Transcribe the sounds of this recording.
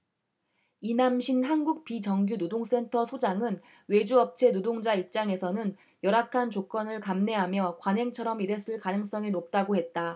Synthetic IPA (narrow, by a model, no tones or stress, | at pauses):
inamɕʰinɦanɡuk̚pit͡ɕʌŋɡjunodoŋs͈e̞ntʰʌsʰod͡ʑaŋɯn | we̞d͡ʑuʌp̚t͡ɕʰe̞nodoŋd͡ʑaip̚t͡ɕ͈aŋe̞sʰʌnɯn | jʌɾakʰant͡ɕok͈ʌnɯɭkamne̞ɦamjʌkwanɦeŋt͡ɕʰʌɾʌmiɾe̞s͈ɯɭkanɯŋs͈ʌŋinop̚t͈aɡoɦe̞t̚t͈a